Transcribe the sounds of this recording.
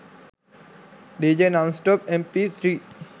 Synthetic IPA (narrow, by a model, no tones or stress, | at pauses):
ɖed͡ʒenãnsʈɔp̚ɛ̃mpit̪ʰɾi